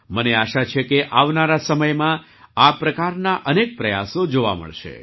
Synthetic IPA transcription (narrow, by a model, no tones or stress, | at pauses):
məneaʃat͡ʃʰekeʔaʋnaɾasəməjmã | apɾəkaɾnaʔənek̚pɾəja̰sod͡ʒoʋa̰mə̰ɭʃḛ